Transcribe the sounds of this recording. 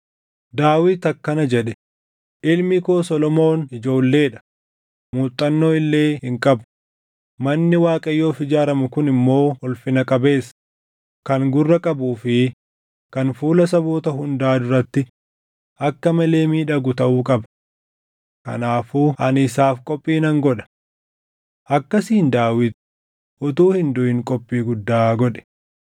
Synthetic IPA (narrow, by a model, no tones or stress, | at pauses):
d̪aːwɪt̪ɐkːɐnɐd͡ʒɛɗɛ | ʔɪlmɪkoːsɔlɔmo̞ːnɪd͡ʒo̞ːlːe̞ːᶑɐ̥ | muːt̪ʼːɐnːo̞ːɪlːe̞ːhɪŋkʼɐb | mɐnːɪwaːkʼɐjːo̞ːfɪd͡ʒaːɾɐmʊkʊnɪmːo̞ːɔlfɪnɐkʼɐbe̞ːs | kɐŋɡʊrːɐkʼɐbuːfɪ | kɐnfuːlɐs̬ɐboːt̪ɐɦʊnd̪aːd̪ʊɾɐt̪ːɪ | ʔɐkːɐmɐle̞ːmiːᶑɐɡʊt̪ɐʔuːkʼɐbɐ | kɐ̰naːfuːʔɐnɪsaːfkʼɔpʼːiːnɐŋɡɔᶑɐ̥ | ʔɐkːɐsiːnd̪aːwɪt̪ʊ̥ | ʔʊt̪uːhɪnd̪ʊɪŋkʼɔpʼːiːɡʊd̪ːaːɡɔᶑɛ̥